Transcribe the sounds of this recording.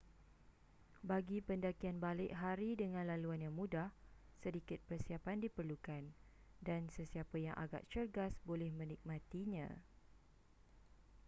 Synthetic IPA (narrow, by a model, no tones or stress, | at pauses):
baɡipəndakianbalɪʔɦaɾidəŋãnlaluanjaŋmũdah | sədikɪt̪̚pərsiapandipərlukan | dansəsiapəjaŋʔa̰ɡa̰ʔt͡ʃərɡasbolɛhmə̃nik̚mãt̪iɲã̰